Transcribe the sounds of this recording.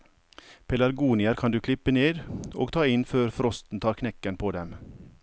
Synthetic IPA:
pʰɛlæɾɡuːnɪəɾkʰɑnd̪ʉːkʰlɪpəneːd̪o̰ːɡt̪ʰɑːɪnføːɾfɾɔst̪n̩t̪ʰɑːɾkʰnɛkənpʰoːd̪ɛm

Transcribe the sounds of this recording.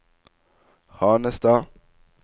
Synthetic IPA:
hanɛst̪a

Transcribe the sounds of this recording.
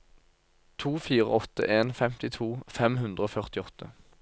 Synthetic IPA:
t̪ʰuːfiːʁə̰ɔt̪ə̰ʔeːnfɛmt̪ɪt̪ʰuːfɛmɦʉnd̪ʁəoːfœʁt̪ɪɔt̪ʰːə

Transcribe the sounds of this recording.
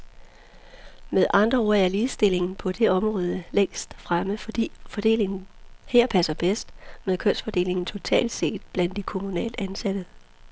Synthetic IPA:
meðˠʔɑ̈nd̥ʁɐo̝ɐæliːð̩ˠsd̥e̝le̝ŋn̩pʰɒ̽d̥e̝ɒ̽mʁɔ̽ːð̞ˠəleŋ̰sd̥fʁaməfɒd̥ḭːfɒ̽d̥e̝̰ːle̝ŋn̩heɐ̰pʰæsɐb̥esd̥meðˠkʰøn̰sfɒ̽d̥e̝̰ːle̝ŋn̩t͡sʰo̝t͡sʰɛ̰ːld̥se̝̰ːd̥b̥læn̰d̥ikʰo̝munɛ̰ːld̥əænsæd̥ə

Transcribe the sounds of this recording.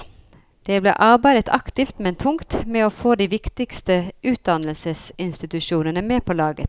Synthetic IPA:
d̪̥eːblḛːʔɑʁbæɪd̪ət̪ʰɑkt̪ɪft̪mɛnt̪ʰʊŋt̪mɛːoːfoːd̪iːʋɪkt̪ɪkst̪əʔʉːt̪̚d̪ɑnəlsəsɪnst̪ɪt̪ʉʃuːnənəmeːpʰoːlɑːɡə̰

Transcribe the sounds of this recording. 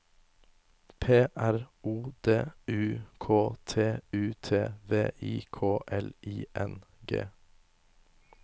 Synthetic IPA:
pʰeːʔæɾuːd̪eːʉːkʰoːt̪ʰeːʉːt̪ʰeːʋeːʔiːkʰoːʔɛliːʔɛnɡḛː

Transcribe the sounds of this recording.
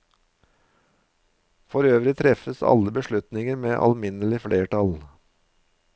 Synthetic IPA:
fɔɾøːʋɾɪt̪ʰɾɛfəsɑ̰ləbəʃlʉt̪nɪŋəɾmeːʔɑ̰lmɪnəlɪfɽeːʈɑl

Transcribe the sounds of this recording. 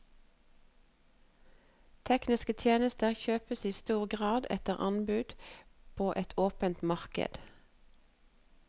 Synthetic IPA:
t̪ʰɛknɪskət̪ʰjeːnəst̪əʁçøːpəsiːst̪uːʁɡʁɑːd̪ɛ̰t̪əʁʔɑ̰nbʉd̪̥pʰoːʔɛt̪ʰoːpənt̪mɑʁkə̰d̪̥

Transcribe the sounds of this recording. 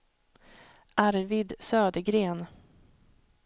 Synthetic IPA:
ʔaɾvid̪søːd̪əɡɾeːn

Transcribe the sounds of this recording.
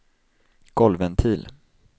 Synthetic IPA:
ɡ̥ɔlvənt̪ʰiːl

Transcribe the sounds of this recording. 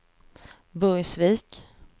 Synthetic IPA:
bɵjsviːk

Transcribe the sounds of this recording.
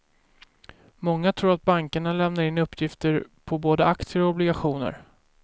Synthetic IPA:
mɔŋːat̪ʰɾuːɾat̪̚baŋkəɳalɛmnaɾɪnːɵpːjɪft̪əɾpʰɔboːd̪əakt̪sɪəɾɔɔblɪɡaɧuːnə̰ɾ

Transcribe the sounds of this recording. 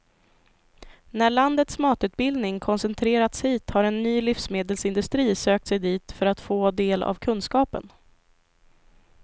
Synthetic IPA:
næɭand̪ət̪smɑːt̪ʉ̟ːt̪̚bɪld̪nɪŋkʰɔnsɛnt̪ʰɾeːɾat̪shiːt̪haɾɛnːyːlifsmeːd̪əlsɪnd̪ɵst̪ɾiːsøːk̚t̪sɛjd̪iːt̪fœɾat̪foːd̪eːla̰vkʰɵnskɑːpə̰n

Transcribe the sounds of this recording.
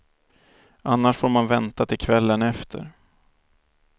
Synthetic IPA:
ʔanːaʂfoːɾmanvɛnt̪at̪ʰɪlkʰvɛlːənɛft̪ʰə̰ɾ

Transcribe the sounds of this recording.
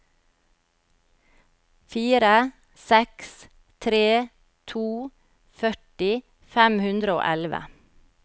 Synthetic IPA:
fiːɾə | sɛks | t̪ʰɾeː | t̪ʰuː | fœʈɪ | fæmhʉnd̪ɾəo̰ːʔɛlʋə̰

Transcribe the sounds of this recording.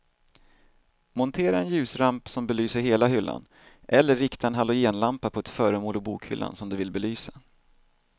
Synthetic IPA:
mɔnt̪ʰeːɾaɛnjʉ̟ːsɾampsɔmbɛlyːsəɾɦeːlaɦʏlːa̰n | ʔɛlːəːɪkt̪ʰaɛnɦalːɔjeːnlampapʰɔɛt̪fœːɾəmoːlɔbuːkhʏ̰lːa̰nsɔmd̪ɵvɪlbɛlyːsa

